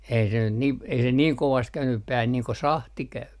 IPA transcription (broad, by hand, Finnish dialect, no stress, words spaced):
ei se nyt nim ei se niːŋ koʋɑst kæynyp pæːhæn niː ko sɑhti kæyp